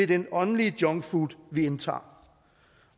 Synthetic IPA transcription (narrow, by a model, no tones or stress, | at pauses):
e̝d̥enɒ̽nəliəd̥jɒ̽ŋfud̥ʋient͡sʰɑ̰̈ː